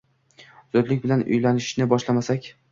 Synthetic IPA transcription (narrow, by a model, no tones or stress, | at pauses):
zɒd̪lɪk̚ʲbɪlanʊ̰jlanɪʃnɪbɒʃlamasakʲ